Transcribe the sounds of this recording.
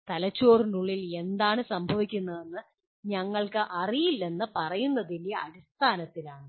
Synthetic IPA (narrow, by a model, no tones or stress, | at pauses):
t̪ɐlɐt͡ɕːoːrnuɭːile̞nd̪aːɳɨsɐmbʱɐʋikʲːunːɐðe̞nːɨ | ɲɐŋːɐɭkɨʔɐrijilːe̞nːɨpɐrɐjunːɐðiljɐɐɽist̪ʰaːnɐt̪ːilaːɳɨ